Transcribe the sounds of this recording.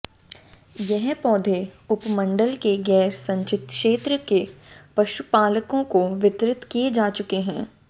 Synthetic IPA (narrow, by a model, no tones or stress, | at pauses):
jɛɦpɔːd̪ʱeʊpmə̃ɳɖəlkeɡɛːɾsɐ̃ɲt͡ʃɪt̪kʃeːt̪ɾəkepɐʃupaːləkõkoʋɪt̪ɾɪt̪kijed͡ʒaːt͡ʃʊkeɦɛ̃ː